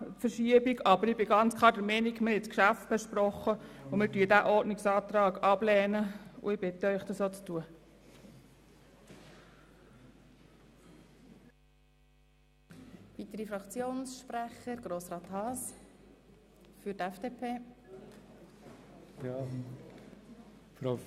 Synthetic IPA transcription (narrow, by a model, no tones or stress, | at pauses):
fəɾʃiəbiɡɑbəɾɪbɪɡɑnt͡skʰlˠɑːɾdɛmɛnikmɪɾɛtt͡skʃæftb̥ɛʃpɾɔχəʊmɪdyːdæʔɔɾdnɪksɑːt̪ɾɑːɡɑblɛːnəʊ̰ɪb̥ɪt̪əœʏχd̥ɑsoːt͡stuə | ʋit̪əɾifɾɑkt͡sjoːnsʃpɾæχəɾɡ̥ɾoːsɾɑːt̪hɑːs | fʏɾtɛfd̥epʰeː | f